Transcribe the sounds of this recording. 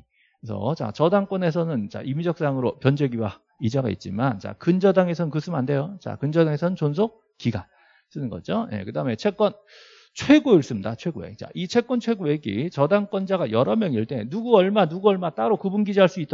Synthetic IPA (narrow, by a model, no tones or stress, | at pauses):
sʰʌ̰t͡ɕa̰t͡ɕʌdaŋk͈wʌne̞s̬ʰʌnɯnt͡ɕa̰ʔimid͡ʑʌk̚s͈aŋɯɾopjʌnd͡ʑeɡiwa | id͡ʑaɡa̰ḭt̚t͡ɕ͈imant͡ɕa̰kɯnd͡ʑʌdaŋe̞s̬ʰʌnɯnkɯsʰɯmande̞jot͡ɕa̰kɯnd͡ʑʌdaŋe̞sʰʌnɯnt͡ɕonsʰok̚ | k͈iɡa̰ | s͈ɯnɯnɡʌ̰d͡ʑoje̞̰kɯdaɦɯme̞t͡ɕʰe̞k͈wʌn | t͡ɕʰwe̞ɡoiɭs͈ɯmidat͡ɕʰwe̞ɡoḛt͡ɕa̰ʔit͡ɕʰe̞k͈wʌnt͡ɕʰwe̞ɡoeɡḭt͡ɕʌdaŋk͈wʌnd͡ʑaɡajʌɾʌmjʌŋiɭt͈e̞nuɡuʌɭmanuɡuʌɭmat͈aɾokubunɡid͡ʑiɦaɭs͈uit͈